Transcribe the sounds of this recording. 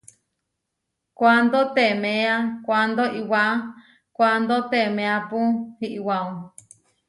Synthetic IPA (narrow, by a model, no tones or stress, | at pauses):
kʷand̪ot̪emẽãkʷand̪oʔiwa | kʷand̪ot̪emẽapũhiʔiwãũ